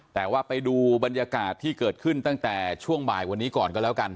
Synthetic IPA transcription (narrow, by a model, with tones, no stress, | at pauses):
t̪ɛː˨˩waː˥˩pa˧jduː˧ba˧nja˧kaː˨˩t̪ʰːiː˥˩kɤː˨˩t̪̚kʰɯ˥˩nt̪a˥˩ŋt̪ɛː˨˩t͡ɕʰu˥˩əŋbaː˨˩jwa˧nːiː˦˥kɔː˨˩nkɔː˥˩lɛː˦˥wka˧n